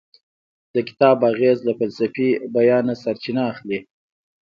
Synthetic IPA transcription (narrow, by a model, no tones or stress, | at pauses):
d̪̥əkɪ̥t̪ɑbaɣezlafalsafibajɑːnasaɾt͡ʃinaːxli